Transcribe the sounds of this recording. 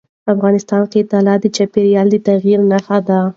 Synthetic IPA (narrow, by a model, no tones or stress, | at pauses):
afɣɑnɪst̪ɑnket̪alɑt̪d̪ət͡ʃapeɾijɑld̪ət̪aɣiɾnaxad̪a